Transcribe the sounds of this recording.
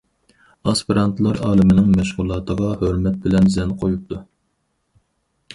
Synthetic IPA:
ɑspiɾɑnt̪ʰlˠɑɾɑːlˠɨmɪnɪŋmɛʃʁulˠɑːt̪ʰəʁɑhøɾmɛt̪̚bɪlɛnzɛnqʰojup̚t̪ʰu

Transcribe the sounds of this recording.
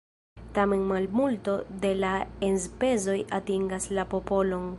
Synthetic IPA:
tame̞nmalmulto̞de̞laenspe̞zo̞jatiŋɡaslapo̞po̞lo̞n

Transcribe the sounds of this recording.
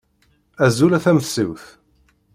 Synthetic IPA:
æzulæθæməθsiwθ

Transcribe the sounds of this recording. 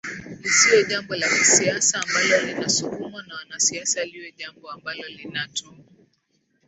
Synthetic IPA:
lisiɔʄambɔlakisiasaːmbalɔlinasukumanawanasiasaliwɔʄambɔambalɔlinatʰɔa

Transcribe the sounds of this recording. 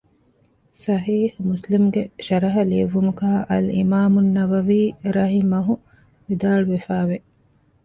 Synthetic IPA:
sɐɦiːhmuslimɡeʃɐɾɐɦɐliʋumukɐɦɐʔɐlḭmaːmunːɐʋɐʋiːɾɐɦimɐɦu | ʋid̪aːɭuʋefaːʋe

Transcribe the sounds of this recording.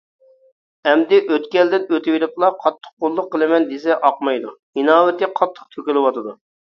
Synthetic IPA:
ɛmd̪ɪʔøt̪kʲɛld̪ɪnøt̪ʰɪwiɾɪp̪lˠɑqʰɑt̪ʰːə̥q̚qolˠːʊqːəlˠɨmɛnd̪es̬ɛʔɑqmɑjd̪u | inɑːwɪt̪ɪqʰɑt̪ʰːə̥q̚t̪ʰøkʲylɪwɑt̪ɨd̪u

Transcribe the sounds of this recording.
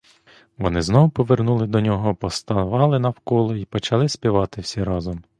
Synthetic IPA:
ʋɔnɪznɔʋʊpɔʋernulˠɪd̪ɔnʲɔɦɔpɔst̪ɐnɔʋɑlˠɪnɐwkɔlˠɔipɔt͡ʃɐlˠɪsʲpʲiʋɑt̪ɪwsʲɛɾɑzɔm

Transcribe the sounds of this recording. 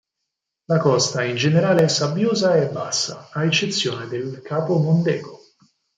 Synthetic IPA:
lakɔst̪aind͡ʒeneɾaːleɛsːabjoːzaɛbːasːa̰aet͡ʃːet̪sːjoːned̪elkʰaːpomond̪ɛ̰ːɡo

